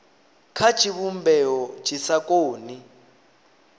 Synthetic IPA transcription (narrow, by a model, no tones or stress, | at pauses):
kʰḁt͡ʃʼiβumbɛɔ̥t͡ʃʼisakʼoːni